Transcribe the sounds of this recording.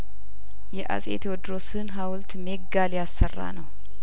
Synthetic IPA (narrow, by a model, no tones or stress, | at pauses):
jɛʔa̰sʼḛt̪ʰwɔd̪ɾosɨnɦawlt̪meɡaljasːərːa̰nəw